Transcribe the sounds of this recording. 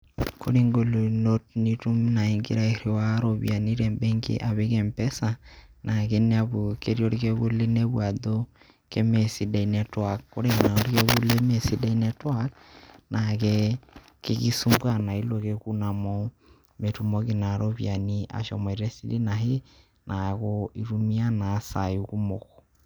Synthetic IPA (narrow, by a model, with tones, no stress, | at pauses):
ko˦ɾe˦ŋɡo˨lo˨no˦t̚ni˦tu˦mna˨e˨ŋɡḛ˦ɾa˦e˨ɾe˨wa˦ɾo˨βj̰a˨ni˦ɾɛmbɛ˦ŋɡḛ˦ʔa˨βe˦kɛ˨mpɛ˦sa˨nʔa˨ke˦ne˦a˨βo˨ke˦ɾi˦ɔ˦ɾikɛ˦βu˦le˦nɛ˦βwa˨do˦ | ke˦mɛ˨si˨da˨i˨nɛtwa˨kkːo˦ɾe˦na˨ɾikɛ˦βu˦le˦me˨si˦da˦inɛtwa˦k̚ | nʔakɛ˦ | keɣi˦su˦mbwa˦na˨i˦lo˨ke˦kuna˨mɔ˦ | me˨tu˨mɔ˦ɣe˨na˨ɾɔβja˨niʔa̰˨ʃɔ̰mɔ˨iɾɛ˦si˦di˦naɦe˦ | nʔa˨ɣɔi˨ɾu˦mia˦na˨sa˨uku˦moɣɔ̥